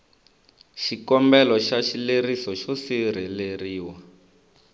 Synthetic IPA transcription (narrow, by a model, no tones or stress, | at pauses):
ʃikɔmbɛlɔʃaʃilerisɔʃɔsiɾ̤ɛleriːwa